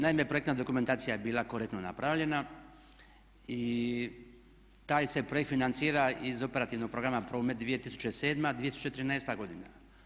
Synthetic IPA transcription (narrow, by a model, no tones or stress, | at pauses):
naimepɾo̞ekt̪nad̪o̞kume̞nt̪aːt̪sijajebiːlˠakoɾekt̪nona̰pɾaʋʎe̞na | i | t̪aːjse̞pɾo̞ekt̪finansiːɾaizo̞pe̞ɾat̪iʋno̞ɡ̚pɾo̞ɡɾamapɾoːmet̪̚d̪ʋije̞t̪isu̥t͡ɕe̞se̞ːd̪mad̪ʋijet̪i̥sut͡ɕt͡ʃet̪ɾineːst̪aɡo̞d̪ina